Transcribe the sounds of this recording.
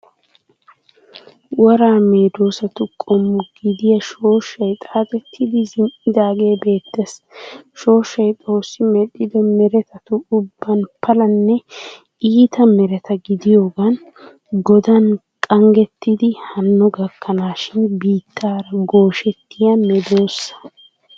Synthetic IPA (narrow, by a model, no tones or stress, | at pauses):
wɔɾaːmeːd̪o̞ːsɐt̪ʊkʼɔmːʊɡɪd̪ɪjɐʃo̞ːʃːɐjt̪ʼaːt̪ʼɛt̪ʰːɪd̪ɪzɪmʔɪd̪aːɡe̞ːbe̞ːt̪ːesʃo̞ːʃːɐjt̪ʼo̞ːsːɪmɛɗɪd̪ɔmɛɾɛt̪ɐt̪ʊʊbːɐnpʰɐlɐnːɛ | iːt̪ɐmɛɾɛt̪ɐɡɪd̪ɪjo̞ːɡɐn | ɡɔd̪ɐn | kʼɐŋɡɛt̪ːɪd̪ɪhɐnːɔɡɐkːɐnaːʃɪnbiːt̪ʰːaːɾɐɡo̞ːʃɛt̪ːɪjɐmɛd̪o̞ːsːɐ̥